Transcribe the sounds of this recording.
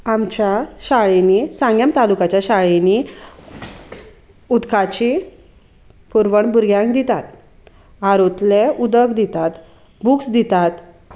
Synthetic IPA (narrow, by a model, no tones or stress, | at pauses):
amt͡ɕjaɕaɭenisãŋɡjamt̪alukat͡ɕjaɕaɭeni | ud̪kat͡ɕi | puɾʋəɳbuɾɡjãŋkd̪it̪at̪ | aɾot̪leud̪əkd̪it̪at̪ | buksd̪it̪at̪